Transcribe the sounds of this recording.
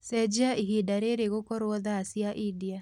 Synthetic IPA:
sɛd͡ʒaiɦidaɾeɾeɣokɔɾwɔðaːsiaʔidia

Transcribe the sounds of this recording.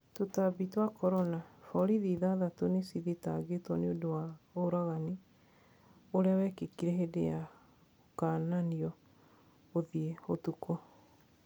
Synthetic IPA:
totabitwakɔɾɔnafɔɾiðiðaðatonesiðitaɡetwɔneodowaoɾaɣani | oɾeawɛkekiɾeɦedea | kananiɔ | oðiehotukɔ

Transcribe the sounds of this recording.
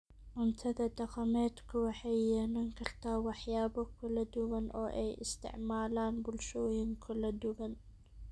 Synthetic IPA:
mʊmt̪ʰɐðɐd̪ɐqɑmɛːd̪kʰʊwɑħɛjːɛːnɐŋkʰɐrt̪ʰaːwɑħjaːbɔkʰʊlɐd̪ʊɣɐnʔɔ̰ːʔɛjʔɪ̰st̪ʰɪ̰ʕmaːlaːnbʊlʃoːjɪŋkʰʊlɐd̪ʊɡɐn

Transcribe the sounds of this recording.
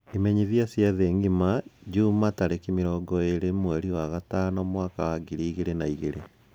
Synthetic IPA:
imɛɲiðiasjaðeːŋɡimad͡ʒuːmataɾekimiɾɔːɡɔeɾemwɛɾiwaɣatanɔmwaːkawaɡiɾiːɣeɾenaiɣeɾe

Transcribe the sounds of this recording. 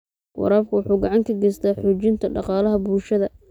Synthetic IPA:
wɑ̰ɾaːb̚kʰʊwʊħuːɡɑʕɑŋkʰɐɡɛst̪ʰaːħʊːt͡ʃɪnt̪ʰɐɖɑqɑːlɐɦɐbuːlʃɐðɐ

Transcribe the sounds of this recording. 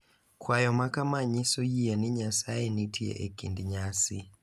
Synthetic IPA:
kwajɔmakamaɲisɔjianiɲasaenitʰiḛʔekḭndiɲasḭ

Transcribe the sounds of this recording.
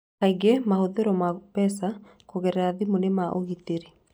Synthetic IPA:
kaiɡemahoðeɾɔmapɛs̬a | koɣɛɾɛɾaðimonemaʔoɣiteɾi

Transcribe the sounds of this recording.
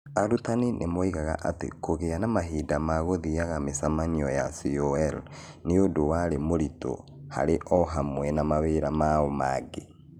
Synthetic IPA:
aɾutaninʔemoiɣaɣa̰ʔatḛkoɣeanamaɦiːdamaɣoðiaɣamesamaɲiɔja̰siɔɛl | neodowaɾemoɾito̰ha̰ɾeʔɔɦamwɛnamaweɾamaɔma̰ːɡe

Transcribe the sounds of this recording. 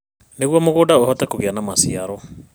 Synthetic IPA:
neɣwɔmoɣodaohɔtɛkoɣeanamasiaɾɔ

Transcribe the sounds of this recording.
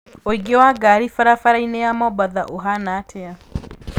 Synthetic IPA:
oiɡewaɡaɾifaɾafaɾainɛamɔbaðaʔoɦanatʰɛa

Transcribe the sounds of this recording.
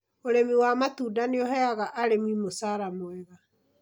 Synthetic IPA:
oɾemiwamatuːdaneɔɦɛaɣaʔaɾemimosaːɾamoɛɣa

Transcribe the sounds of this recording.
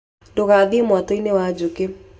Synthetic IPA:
dokad̪ɪmwat̪oinewad͡ʒukɪ

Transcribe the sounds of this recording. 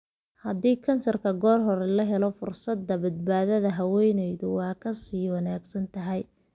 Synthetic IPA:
hɐd̪iːkʰɐnsɐrkʰɐɡɔːrɦɔɾɛlɐɦɛlɔfʊrsɐd̪ɐbɐd̪̚baːðɐðɐɦɐwɛjnɛjðʊwɑːkʰɐsiːwɑnaːɡsɐnt̪ʰɐɦɛj

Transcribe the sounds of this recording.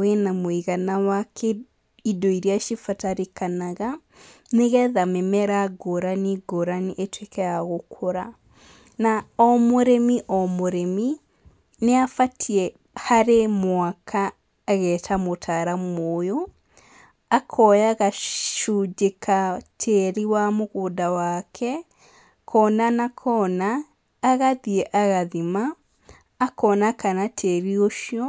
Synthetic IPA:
wenamoiɣanawakʰɛ | idoiɾiaʃifataɾekanaɣa | neɣɛðamɛmɛɾaɡoɾaniɡoɾaniʔetwekɛaɣokʰoɾa | naɔmoɾɛmiʔɔmoɾɛmi | neafatʰiɛ | haɾemwakʰaː | ɣɛːtʰamotʰaɾamoːjo | akʰɔjaɣaʃud͡ʒekʰatʰeɾiwamoɣoːdawakʰɛ | kʰɔnanakʰɔnaː | ɣaðiɛʔaɣaðimaː | kɔnakanatʰeɾioʃiɔ

